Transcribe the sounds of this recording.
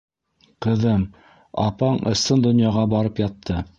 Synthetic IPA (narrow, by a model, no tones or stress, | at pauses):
qɤ̆ðɤm | ɑ̰pɑɴɤ̰̆sɤnd̪ŏnjɑʁɑbɑɾɤpjɑt̪ʰːɤ